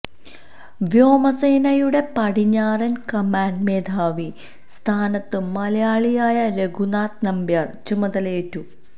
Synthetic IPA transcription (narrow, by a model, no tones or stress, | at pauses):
ʋjo̞ːmɐseːnɐjuɽe̞pɐɽiɲːaːrɐnkɐmaːnɖmeːd̪ʱaːʋi | st̪ʰaːnɐt̪ːɨmɐlɐjaːɭijaːjɐɾeɡʱunaːt̪nɐmbjɐrt͡ɕumɐðɐleːtːu